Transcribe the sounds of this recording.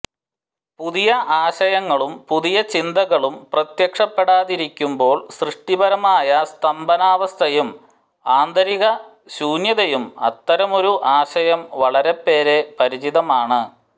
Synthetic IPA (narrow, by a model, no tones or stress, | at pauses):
puðijɐʔaːɕɐjɐŋːɐɭumpuðijɐt͡ɕind̪ɐɣɐɭumprɐt̪jɐkʂɐpːe̞ɽaːðiɾikʲːumbo̞ːɭsrɨʂʈibɐɾɐmaːjɐst̪ɐmbɐnaːʋɐst̪ʰɐjum | aːnd̪ɐɾiɣɐ | ɕuːnjɐðɐjumɐ̰t̪ːɐɾɐmo̞ɾuʔaːɕɐjɐmʋɐɭɐɾe̞pːe̞ːɾe̞pɐɾit͡ɕiðɐmaːɳɨ